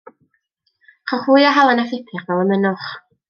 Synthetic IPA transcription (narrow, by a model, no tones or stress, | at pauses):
χɔχuɨaɦalˠanafɪtʰɪχvɛlˠəmənʊχ